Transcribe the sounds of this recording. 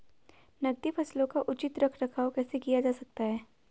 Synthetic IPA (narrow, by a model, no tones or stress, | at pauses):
nɐɡ̚d̪ifʰɐslõkaʔʊt͡ʃɪt̪ɾɐkʰɾɐkʰaːwkɛːsekijad͡ʒaːsɐk̚t̪aɦɛː